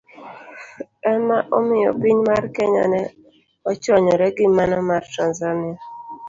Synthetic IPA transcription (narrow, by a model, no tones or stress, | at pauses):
ɛmaʔɔmɪɔpiɲmaɾkɛɲa̰nɛ | ɔt͡ʃɔɲɔɾɛɡɪmanɔmaɾtanzanɪa